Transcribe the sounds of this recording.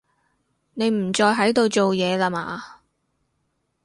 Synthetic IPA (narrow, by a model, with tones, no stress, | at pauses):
ne˨˧jm̩˨˩t͡sɔː˧jɦɐ˨˥jt̪o˧wt͡ʃo˨wjɛː˨˧laː˧ma̰ː˨˧